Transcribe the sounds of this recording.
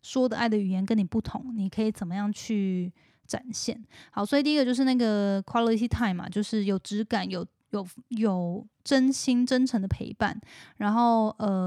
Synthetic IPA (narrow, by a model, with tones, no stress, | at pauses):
ʂwɔ˥d̪ə˨ʔa˥˩ɪd̪ə˩y˨˩jɛ˧˥nkə˥ni˨˩pu˥˩t̪ʰʊ̰˧˦ŋni˨˩kʰɤ˧˥i˨˧˩t͡sə˨˩nmə˦jɑ˥˧ŋt͡ɕʰy˥˩ | ʈ͡ʂa̰˨˩nɕjɛ̰˥˩nxɑ˧˥ʊswɔ˧˥i˨˧t̪i˥˧˥ɡə˧t͡ɕjo˥˧ʊʂɻ̩˥˧na˥˩ɡə˩kʰwɑ˥li˧t̪ʰi˧˥t̪ʰa˥˩ɪmɐ̰˨˩t͡ɕjo˥˧ʊʂɻ̩˥˩jo˨˩ʊʈ͡ʂɻ̩˧˥ka˨˩njo˨˩ʊ | jo˨˩ʊjo˨˩ʊʈ͡ʂə˥nɕi˥nʈ͡ʂə˥nʈ͡ʂʰə˧˥ŋd̪ə˧pʰḛ˧˥ɪpa̰˥˩nɻa˧˥nxo˥˩ʊə˧